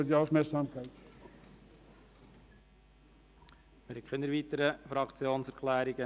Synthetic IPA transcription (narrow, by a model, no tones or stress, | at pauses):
diɑʊfmɛksɑːmkʰæɪt̪ | mɪɾhɛɪkʰχynːəɾvʋiːt̪əɾəfɾɑkt͡sjoːnsæɾkʰlæːɾiɡə